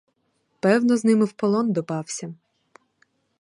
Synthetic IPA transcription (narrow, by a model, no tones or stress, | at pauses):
pɛwnɔznɪmɪwpɔlˠɔnd̪ɔpɑwsʲɐ